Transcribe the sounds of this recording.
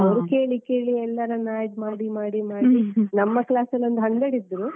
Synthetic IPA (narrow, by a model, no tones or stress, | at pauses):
ɐʋɾuke̞ːɭikeːɭiɛlːɐɾɐnaːɖmaːɽimaːɽimaːɽinɐmːɐklaːsɐlɐnd̪uɦɐɳd̪ɐɽid̪ːɾu